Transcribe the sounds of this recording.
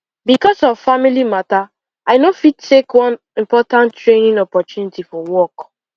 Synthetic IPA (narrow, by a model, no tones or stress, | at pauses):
bikɔsɔvfamilimata | aɪnofid̚tʰekwʌ̃n | ĩmpɔtãnttːɹenĩŋɔpɔtjunitifɔwɔk